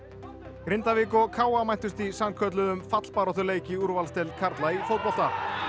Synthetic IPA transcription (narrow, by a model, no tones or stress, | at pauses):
kɾɪnt̪avɪːkɔkʰaːwamajn̥t̪ʏst̪isamkʰœt̪̬lʏðʏmfat̪l̥paːɾɔht̪ʏɾleːjcɪuɾvalst̪ɛlkʰaɾt̪laifowt̪pɔl̥t̪a